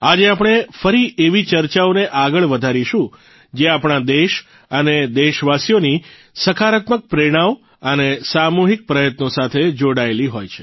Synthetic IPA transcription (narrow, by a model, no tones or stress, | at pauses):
ad͡ʒeap̬ɽ̃efəɾiʔeʋit͡ʃəɾt͡ʃaoneʔaɡəɭʋəd̪ʱaɾiʃũ | d͡ʒeapɳ̃ad̪eʃ | əned̪eʃʋasijoni | səkʰaɾət̪mək̚pɾeɽ̃aʋ | ənesamuɦik̚pɾəjət̪nosat̪ʰed͡ʒoɽaeliɦojt͡ʃʰe̥